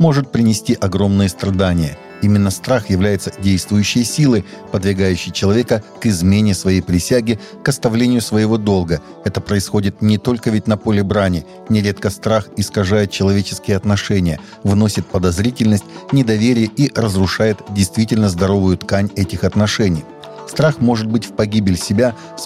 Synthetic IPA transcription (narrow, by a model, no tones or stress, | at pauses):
mo̞ʐɨt̪̚pɾʲɪnʲɪsʲtʲiʔɐɡɾo̞mnɨjəst̪ɾɐd̪anʲɪjə | imʲɪnːəst̪ɾaxjɪvlʲæjɪt̪sə̥dʲejst̪vʊjʉɕːɪjəsʲilˠɨ | pəd̪vʲɪrɡajʉɕːɪjt͡ɕɪlˠɐvʲekəkɨzmʲenʲɪsvɐjejpɾʲɪsʲaɡʲɪ | kɐst̪ɐvlʲenʲɪjʊsvəjɪvo̞d̪o̞lˠɡə | ɛt̪əpɾəɪsxo̞dʲɪt̪nʲɪt̪o̞lʲkəvʲɪtʲnɐpolʲɪbɾanʲɪ | nʲɪɾʲe̞t̪̚kəst̪ɾaxɪskɐʐajɪt̪̚t͡ɕɪlˠɐvʲet͡ɕɪ̥skʲɪjəɐt̪nɐʂɛnʲɪjə | vno̞sʲɪt̪̚pəd̪ɐzɾʲitʲɪlʲnəsʲtʲnʲɪd̪ɐvʲeɾʲɪjəʔirəzrʊʂajɪt̪dʲɪjst̪vʲitʲɪlʲnəzd̪ɐɾo̞vʊjʊt̪kanʲɛtʲɪxɐt̪nɐʂɛnʲɪj | st̪ɾaxmo̞ʐɨd̪̚bɨtʲfpɐɡʲibʲɪlʲsʲɪbʲa | s